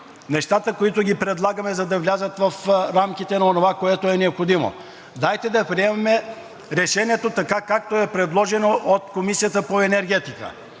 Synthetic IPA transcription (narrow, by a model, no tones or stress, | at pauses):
nɛʃt̪at̪əkoit̪oɡʲipɾɛd̪lˠaɡɐmɛzɐd̪ɐvlʲazət̪vɐfɾamk̟it̪ɛnɐonovakoɛt̪oɛnɛopxod̪imo̰ | d̪ajt̪ɛd̪ɐpɾiɛmɐmɛ | ɾɛʃɛniɛt̪ot̪ɐkakak̚t̪oɛpɾɛd̪lˠɔʒɛnoʔot̪komisijət̪əpoɛnɛɾɡ̟ɛt̪ikə̰